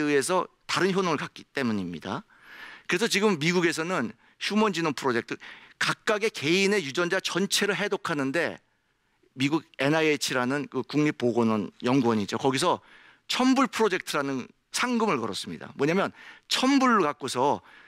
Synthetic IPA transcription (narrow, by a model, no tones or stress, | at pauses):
ɯe̞sʰʌ | taɾɯnçjonoŋɯɭkak͈i̥t͈e̞muɲimɲida̰ | kɯɾe̞s̬ʰʌt͡ɕiɡɯmːiɡuɡe̞s̬ʰʌnɯn | ɕʰumʌnd͡ʑinonpʰɯɾod͡ʑe̞k̚tʰɯkak̚k͈aɡe̞ke̞ine̞jud͡ʑʌnd͡ʑat͡ɕʌnt͡ɕʰe̞ɾɯɭɦe̞dokʰanɯnde̞̰ | miɡuɡe̞naet͡ɕʰiɾanɯnkɯkuŋɲip͈oɡonʌnjʌŋɡuwʌɲid͡ʑokʌɡis̬ʰʌ | t͡ɕʰʌmbuɭpʰɯɾod͡ʑe̞k̚tʰɯɾanɯn | sʰaŋɡɯmɯɭkʌɾʌs͈ɯmɲḭda̰mwʌɲamjʌnt͡ɕʰʌmbuɭkak͈̚osʰʌ